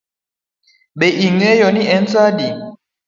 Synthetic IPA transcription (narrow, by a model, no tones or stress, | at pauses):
ɓeʔiŋɛjɔniʔɛnt͡sadi